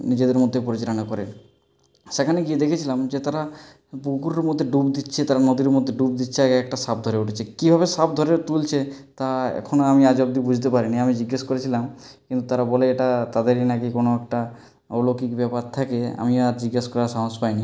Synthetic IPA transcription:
nid͡ʑed̪eɾmod̪ʱːepoɾit͡ɕeɾonakɔɾe | ʃekʰaneɡied̪ekʰet͡ɕʰilamd͡ʑet̪aɾa | bukuɾeɾmod̪ʱːeɖubd̪itːɕʰet̪aɾanod̪iɾeɾmod̪ʱːeɖub̚d̪itːɕʰeaɡeɛk̚ʈaʃab̚d̪ʱoɾeuʈʰet͡ɕʰekibʱabeʃab̚d̪ʱɔɾeɾt̪ult͡ɕʰet̪aɛ̰kʰonoamiad͡ʑɔb̚d̪ibud͡ʑʱt̪̬epaɾiniamid͡ʑiɡːaʃkoɾet͡ɕʰilamkint̪ut̪aɾabɔleeʈat̪ad̪eɾinakikonoɛk̚ʈa | olokikbɛpaɾt̪ʰakea̰miaɾd͡ʑiɡːaʃkɔɾaʃaɦospajni

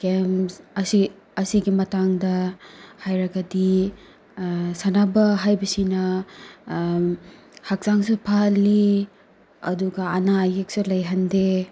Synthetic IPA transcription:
ɡemsɐsi | ɐsiɡimɐtaŋdɐhajɾɐɡɐdi | sanabɐɦajbɐsinɐ | hak̚zaŋsupʰalːi | ɐ̰duɡɐːnaːjek̚sulɐjɦɐnde

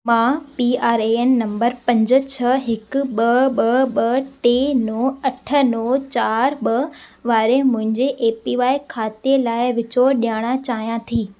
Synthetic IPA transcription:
mãːpiaːɾeenːɐ̃mbəɾpɐ̃ɲd͡ʑə̆t͡ɕʰɐɦɪkʊɓɐɓɐɓɐʈeːnõːɐʈʰə̆noːt͡ɕaːɾɓɐʋaːɾemʊ̃ɦɪ̃ɲd͡ʑeʔeːpiʋaːɪkʰaːt̪ielaːɪʋɪt͡ɕoɗijaːɽ̃at͡ɕaːɦijãt̪ʰiː

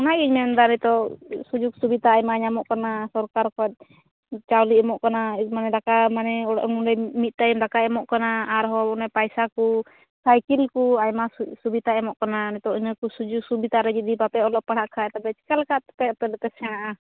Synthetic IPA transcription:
ɔnajiɲmɛnd̪anɛt̪ɔsud͡ʒuk̚subit̪aːjmaɲamɔʔkanasɔɾkaɾkɔt̪̚ | t͡ʃawliɛmɔʔkanamanɛlakamanɛɔ̰ʔnudɛmit̪̚ˀt̪ajimdakaɛmɔʔkanaaɾɦɔbɔnapajsaku | sajkilkuajmasubit̪aɛmɔʔkananɛt̪ɔʔinɔkusud͡ʒuk̚subit̪aɾɛd͡ʒɛd̪ipapɛɔlɔʔpːaɽ̤aʔkʰaɛt̪abɛt͡ʃi̥kalkaʔt̪pɛt̪ɛlɛt̪ɛsɛnaʔa

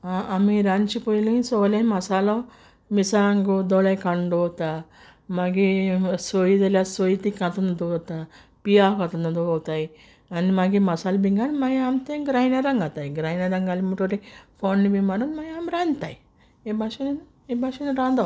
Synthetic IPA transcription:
aʔamiɾant͡ʃipojlisolanmɐsalɔ | misaŋɡod̪ɔɭajkaɳɖot̪a | maɡisojid̪ɐljasojit̪ikat̪und̪uɡt̪a | pijakat̪und̪uɡowt̪aj | animaɡimɐsalbiŋɡanmaɡiamt̪eɡɾajnaɾɐŋɡat̪ajɡɾainaɾɐŋɡalimuʈoɾifonːibimaɾunmaɡiamɾant̪aj | ebʱaʃinin | ebʱaʂinɾand̪a

